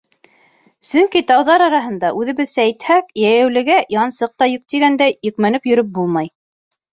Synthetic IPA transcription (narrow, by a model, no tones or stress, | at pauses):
sɵŋkit̪ɑwðɑɾɑɾɑɦɤ̆nd̪ɑʔʉðɘ̆βɘðsæjt̪hækjæjæwlɘ̆ɡæjɑnsɤq̚t̪ɑjɵk̚t̪iɡænd̪æjɵ̆kmænɘpjɵ̆ɾɵp̚bulˠmɑj